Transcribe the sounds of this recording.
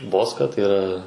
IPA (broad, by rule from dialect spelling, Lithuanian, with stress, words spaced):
ˈboːskɐ tɐɪ iːˈrɐ